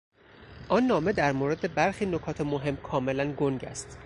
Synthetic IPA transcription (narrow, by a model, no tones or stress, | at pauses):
ʔɒnːɒːme̞d̪æɾmoɾe̞d̪e̞bæɾxiːnokʰɒːt̪ʰemoɦe̞mkʰɒːme̞lænɡoŋɟæ̰st̪